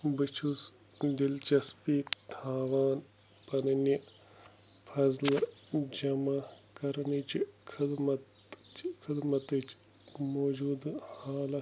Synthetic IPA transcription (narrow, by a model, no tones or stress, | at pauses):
bit͡ʃʰus | d̪ilt͡ʃɐspit̪ʰaːʋaːn | pɐnɐnjɐ | pʰɐzlɐd͡ʒɐmɐkɐɾnit͡ʃikʰɪd̪mɐt̪ | t͡ʃkʰɪd̪mɐt̪ɨt͡ʃ | moːd͡ʒuːd̪haːlɐ